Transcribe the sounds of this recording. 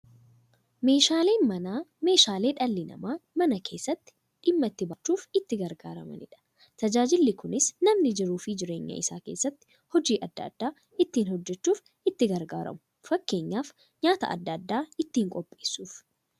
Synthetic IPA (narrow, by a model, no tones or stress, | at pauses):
me̞ːʃaːle̞ːmɐnaːme̞ːʃaːle̞ːᶑɐlːɪnɐ̰maːmɐnɐkʰe̞ːsːɐt̪ːɪ̥ | ᶑɪmːɐt̪ːɪbɐt͡ʃːuːfɪt̪ːɪɡɐɾɡaːɾɐ̰mɐ̰nɪ̰ᶑɐ̥ | t̪ɐd͡ʒaːd͡ʒɪlːɪkʊnɪsnɐmnɪd͡ʒɪɾuːfɪd͡ʒɪɾe̞ːɲːɐ̰ʔɪsa̰ːke̞̰ːsːɐt̪ːɪ̥ | hɔd͡ʒiːʔɐd̪ːɐ̰d̪̥ːaː | ɪt̪ːiːnhɔd͡ʒːɛt͡ʃːuːf | ɪt̪ːɪɡɐɾɡa̰ːɾɐ̰mʊ̥ | fɐkːe̞ːɲːaːf | ɲaːt̪ɐ̰ɐ̰d̪ːɐd̪ːaːɪt̪ːiːŋkʼɔpʼːe̞ːsːuːf